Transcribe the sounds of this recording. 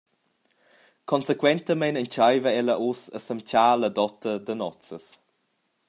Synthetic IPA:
kʰɔnsekwɛnt̪əmɛnənt͡ʃajvəɛləʔusə̰səmt͡ʃaːlədɔt̪əd̪ənɔt͡səs

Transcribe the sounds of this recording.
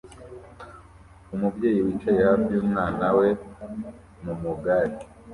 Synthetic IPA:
umuvɟe̞ːjiwit͡ʃejavuːmŋaːnawe̞ | mumuɡaɾi

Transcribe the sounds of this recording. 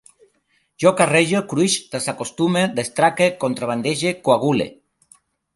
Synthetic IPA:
ʒokareʒokɾuiʃd̪̥esakost̪umed̪est̪ɾakekont̪ɾaβand̪eʒekoaɣulḛ

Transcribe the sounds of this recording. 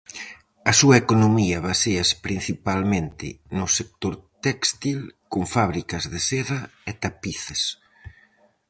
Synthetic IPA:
ɐsuɐekonomiɐβaseɐspɾin̟θipalmẽnt̪ɪ̰nʊsek̚t̪oɾt̪ɛkst̪ilkoɱfaβɾikɐzðeseɾɐet̪apiθes

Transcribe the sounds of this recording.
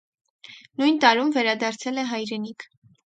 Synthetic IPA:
nujnt̪ɑɾumvɛɾɑd̪ɑɾt͡sʰɛlɛɦɑjɾɛnikʰ

